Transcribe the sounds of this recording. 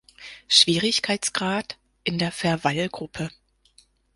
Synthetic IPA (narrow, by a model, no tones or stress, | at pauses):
ʃv̥iːʁɪçkʰaɪt͡sɡ̥ʁaːt | ʔɪndeːɐfɛɐvalɡ̥ʁʊpʰə